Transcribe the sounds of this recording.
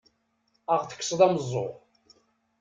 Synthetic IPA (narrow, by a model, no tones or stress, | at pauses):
əʁθə̥kːsˤðˤæməzˤːo̰